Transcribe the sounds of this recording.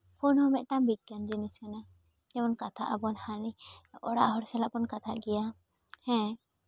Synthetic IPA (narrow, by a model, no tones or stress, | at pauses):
pʰunhɔmɛʔ̪̚ʈambiɡjand͡ʒinisɛna | d͡ʒɛmɔnkat̪ʰa̰ʔabɔnhaɾiɔɽa̰ʔɦɔɾsɛlaʔpɔnkat̪ʰa̰ʔɡɛja | hɛ̃